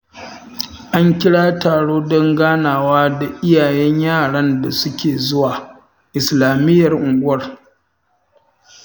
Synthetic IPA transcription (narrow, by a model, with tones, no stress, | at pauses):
ʔa˦ŋkʲɪ˦ɽaː˦taː˨ɽoː˦dɔ˦ŋɡaː˦naː˨waː˦da˨ʔɪ˦jaː˨jɛ˦ɲjaː˦˨ɽɐ˦nda˨sʊ˦kʲeː˨zʊ˦waː˨ | ʔɪ˨slaː˨mɪ˦jːɐ˨rʔʊ˨ŋɡʷʊ˦wɐ˨r